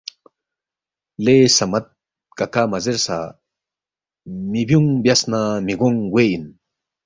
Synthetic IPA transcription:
lesamat̪̚ | kakamazeɾsa̰ | mibjuŋbjasnamiɡɔŋɡwein

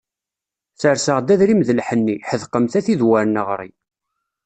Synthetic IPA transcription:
θəɾsəʁd̪æðɾimðəlħənːiħəðqəmθæθiðwæɾnəʁɾˤḭ

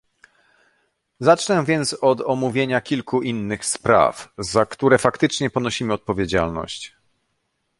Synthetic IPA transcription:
zat͡ʂnɛ̃vʲjɛnt̪sɔd̪ɔmuvʲjeɲakʲilkuʔinːɘxspɾa̰fzakt̪uɾɛfakt̪ɘt͡ʂɲɛpɔnɔɕimɘɔt̪̚pɔvʲjed͡ʑa̰lnɔ̰ɕt͡ɕ

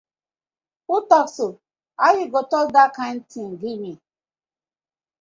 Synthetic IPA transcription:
utɔkso | ajuɡotɔldakãɪ̃nd̚tʰĩŋɡimĩ

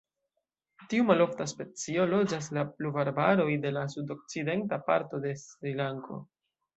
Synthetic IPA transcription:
tiumalo̞ftaspe̞t͡sio̞lo̞d͡ʒas̬lapluvaɾbaɾo̞jde̞lasudo̞k̚t͡side̞ntapa̰ɾto̞de̞sɾilaŋko̞̰

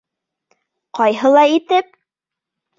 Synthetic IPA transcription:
qɑjɦɤlˠɑit̪ɘp̚

